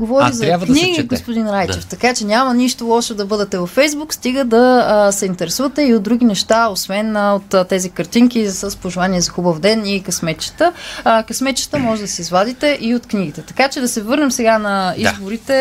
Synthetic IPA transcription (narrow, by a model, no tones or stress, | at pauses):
ɡovɔɾizɐakniɡiɡospʊd̪inɾajt͡ʃɛft̪ɐkat͡ʃɛnʲamɐniʃt̪olˠɔʃɛd̪ɐbɤd̪ɛt̪ɛvɐfɛjzbukst̪iɡəd̪ɐsɛint̪ɛɾɛsuvət̪ɛiod̪d̪ɾuɡ̟ʲinɛʃt̪aosvɛnot̪t̪ːɛzikəɾt̪iŋkʲisəspoʒɛvaniɛzɐxubəvd̪ɛnikɐsmɛt̪t͡ʃə̥t̪əkɐsmɛt̪t͡ʃə̥t̪əmɔʒɛd̪ɐsɛizvad̪it̪ɛʔiot̪kniɡit̪ɛt̪ɐkat͡ʃɛd̪ɐsɛvɤɾnɛmsɛɡanɐizboɾit̪ɛ